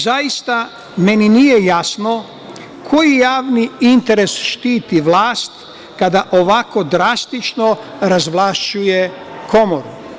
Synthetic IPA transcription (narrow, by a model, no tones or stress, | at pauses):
zajist̪a | meninijejasno | kʰo̞jijaːʋniint̪e̞ɾesʃt̪iːt̪iʋlaːst̪ | kad̪aʔoʋako̞d̪ɾast̪it͡ʃnoɾazʋlˠaʃt͡ʃujekʰo̞moɾu